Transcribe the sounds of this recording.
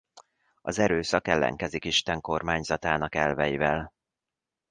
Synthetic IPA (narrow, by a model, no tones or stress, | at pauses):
ɒzɛɾøːsɒkɛlːɛ̰ŋkɛzikiʃt̪ɛŋko̞rmaːɲzɒt̪aːnɒkɛlvɛjivɛl